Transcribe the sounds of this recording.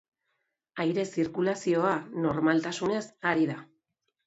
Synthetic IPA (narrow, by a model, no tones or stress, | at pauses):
ajɾe̞siɾkulasio̞ano̞ɾmalt̪asune̞saɾiða